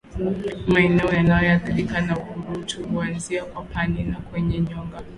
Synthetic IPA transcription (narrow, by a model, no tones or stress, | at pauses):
maɛnɛɔjanajɔjaðiɗikanaukuɾutuhuanziakwapaninakwɛɲɛɲɔŋɡa